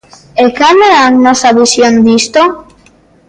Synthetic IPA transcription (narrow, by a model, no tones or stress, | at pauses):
ekaleaŋnɔsaβisjond̪ist̪o